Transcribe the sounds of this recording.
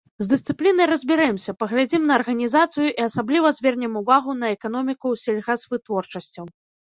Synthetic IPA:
zd̪ɨst̪sɨplʲinɐjɾɐzʲbʲɛɾajɛmsʲɐpɐɣlʲad͡zʲimnɐːrɣɐnʲizat̪sɨjuʔiɐsablʲivɐzʲvʲɛrnʲɛmuvaɣunɐɛkanɔmʲikusʲɛlʲɣazvɨt̪vɔrt͡ʂɐsʲt͡sʲɐw

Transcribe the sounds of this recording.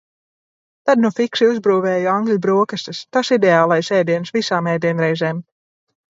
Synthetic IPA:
t̪ad̪nufikʃiuzbɾuːvɛːjɔaŋɡlʲibɾuɔkast̪ɨst̪asid̪ɛaːlˠajsɛːd̪iɛnsvisaːmɛːd̪iɛnɾɛjzeːm

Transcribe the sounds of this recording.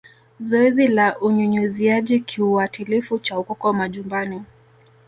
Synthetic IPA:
zɔɛzilaʔuɲuɲuziaʄikʰiuwatilifut͡ʃaukɔkɔmaʄumbani

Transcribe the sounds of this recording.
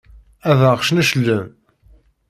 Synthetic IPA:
æðəʁʃnæʃəlːəm

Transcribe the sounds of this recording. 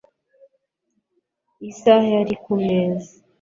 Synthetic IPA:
isaheaɾikumeːzi

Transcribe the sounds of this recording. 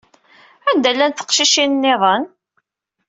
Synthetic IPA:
ænd̪ælːænθə̥qʃiʃinnːɪðˤən

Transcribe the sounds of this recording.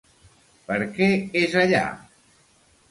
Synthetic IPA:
pəɾkɛezəʎa̰

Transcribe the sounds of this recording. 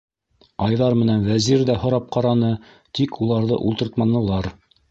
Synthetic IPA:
ɑjðɑɾmɘ̆nænwæziɾd̪æhŏɾɑp̚qɑɾɑnɤ | t̪ikʰulˠɑɾðɤ̰ʔṵlˠt̪ɤ̆ɾt̪mɑnɤ̆lˠɑɾ

